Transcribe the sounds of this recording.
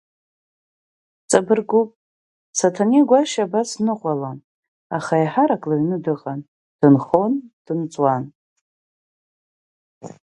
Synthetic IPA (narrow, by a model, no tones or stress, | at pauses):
t͡sʼabɨrɡupʼ | satʰaniɡʷaʃabasnɨqʷʼalan | aχajħaɾakʼlaɥnɨdɨqʼan | d̥ɨnχo̞nd̥ɨnt͡sʼwan